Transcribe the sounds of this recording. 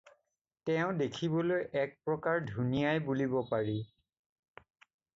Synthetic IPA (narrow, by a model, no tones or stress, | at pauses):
tɛʊ̃dekʰibɔlojʔɛk̚pɹɔkaɹdʱunijajbulibɔpaɹi